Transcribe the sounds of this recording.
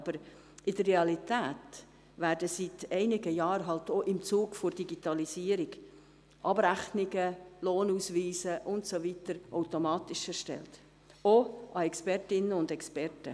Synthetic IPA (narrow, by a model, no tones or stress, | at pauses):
b̥əɾ | ʔɪd̥ərːeɑlit̪æːt | væːɾdəsitɛɪnɪɡəjɑːɾɦɑlt̪oʔɪmt͡suːɡfʊɾd̥iɡitɑlisiːəɾiɡ | ʔɑb̥ɾæχnɪɡəloːnusʋiːsəʔʊntsovitəɾaʊtomɑːtɪʃɛɾʃtɛ̰lt | oʔɑɛkspɛɾtɪnəʊndɛkspɛɾtə